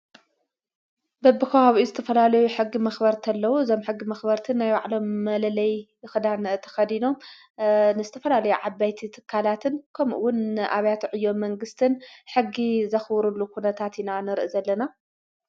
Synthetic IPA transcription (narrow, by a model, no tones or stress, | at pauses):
bɐbɨxɐwaβiuzɨt̪ʰɐfɐlalɐjuħɨɡːimɐxbɐɾt̪ʰɐlːɐwuɨzo̞mħɨɡːimɐxbɐɾt̪ʰɨnːajwaʕlo̞mːɐlɐlɐj | ɨxɨd̪ant̪ʰɐ̥xɐd̪ino̞m | nɨzɨt̪ʰɐfɐlalɐjuʕabajt̪ʰit̪ʰɨ̥kʰːalat̪ʰɨnkʰɐmʔṵwʊnʔa̰βjat̪ʕɨjːo̞mmːɐŋɡɨst̪ʰɨnħɨɡːizɐxbɾulːukʰunɐt̪ʰat̪inanɨɾʔɨzɐlːɐna